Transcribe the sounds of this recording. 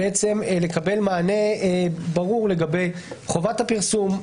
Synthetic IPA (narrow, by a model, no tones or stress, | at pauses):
et͡se̞mle̞kabe̞lmaːne̞baʁuʁle̞ɡabe̞jχo̞vathapiʁsum